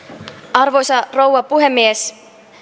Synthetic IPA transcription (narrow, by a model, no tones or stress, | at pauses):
ɑrʋo̞jsɑro̞wʋɑpuɦemːies